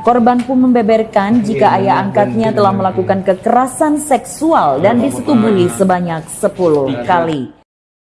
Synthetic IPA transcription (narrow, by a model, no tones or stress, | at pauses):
kɔrbanpʊnməmbɛbɛrkand͡ʒikaʔajaːŋkat̪̚ɲat̪əlahməlakukankəkəɾasansɛksualdandisət̪ubuɦisəbaɲak̚səpuluhkali